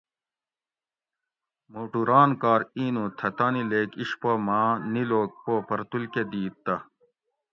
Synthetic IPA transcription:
moːʈuɾaːnkaːɾiːnuːt̪ʰɐt̪anileːkiʂpomaːniloːk̚poːpɐɾt̪ulked̪iːt̪ːɐ

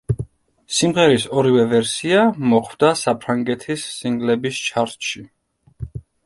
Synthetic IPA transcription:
simʁɛɾisɔɾivɛvɛɾsiamɔχʰwd̪asapʰɾaŋɡɛt̪ʰisːiŋɡlɛbist͡ʃʰaɾt̪ʃi

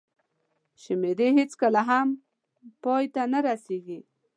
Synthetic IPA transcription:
ʃɪmed̪eɦet͡skəlaɦam | pɔjt̪anaɾaseɡi

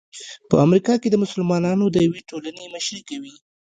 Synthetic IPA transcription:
pə̰amɾikɑked̪əmʊsʊlmɑnɑnod̪əjaweʈolanemʊʃɾikawi

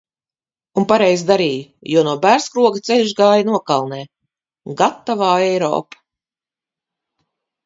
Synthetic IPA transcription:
unpaɾɛjzd̪aɾiːjujuɔnuɔbæːɾskɾuɔɡat̪sʲɛlʲʒɡaːjanuɔkalˠnɛː | ɡat̪ːavaːɛjɾɔ̰ːpḁ

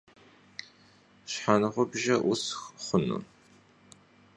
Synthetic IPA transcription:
ɕħanɨʁʷʊbʒɐʔʊsxχʷʊnṵ

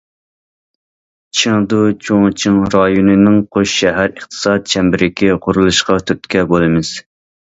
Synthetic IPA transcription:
t͡ʃʰɪŋd̪ut͡ʃʰoŋt͡ʃʰɪŋɾɑjonɨnɪŋqʰoʃʃɛɦæɾəχt̪ʰɨ̥sɑt̪̚t͡ʃʰɛmbɪɾɪkʲʰiqʰʊɾulˠɨʃqɑt̪ʰyɾt̪kʲɛbolˠɨmɪz̥

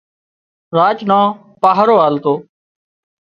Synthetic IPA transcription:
ɾaːt͡ʃnãː | paːɦɾoːaːlt̪oː

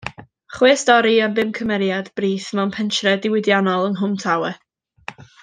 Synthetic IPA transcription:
χwɪːsdɔɾiənvɪmkʰəmɛɾjadb̥riːθmɛnpʰɛntʰrɛdɪwɪdjanɔlˠənɦʊmtʰawɛ

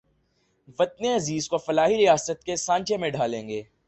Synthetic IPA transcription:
ʋɐt̪̚neɐziːzkofɐlaːɦiɾijaːsət̪̚kesãːɲt͡ʃʰemẽɖʱaːlẽːŋɡeː

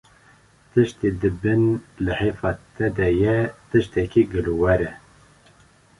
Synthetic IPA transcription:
t̪ʰɨʃt̪id̪ɨbɨnlɨhefɑt̪ʰɛd̪ɛjɛt̪ɨʃt̪ɛkiɡɨluwɛɾɛ

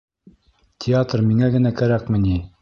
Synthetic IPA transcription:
t̪ʲʰɪat̪rmiŋæɡɘ̆nækæɾækmɘ̆ni

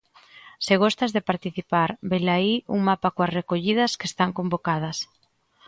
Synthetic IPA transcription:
sɪɣ̞ost̪azðepaɾt̪iθipaɾbelaiuŋmapakoɐsrekoʎiðɐskest̪aŋkombokað̞ɐs

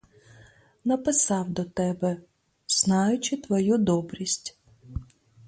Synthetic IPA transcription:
nɐpɪsɑwd̪ɔt̪ɛbɛ | z̥nɑjʊt͡ʃɪt̪ʋɔjud̪ɔbɾʲisʲtʲ

